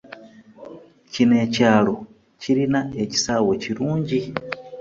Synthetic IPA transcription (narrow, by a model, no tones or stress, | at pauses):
cine̞ːcaːlo̞ | ciɾinae̞ci̥saːwe̞ciɾuːɲɟi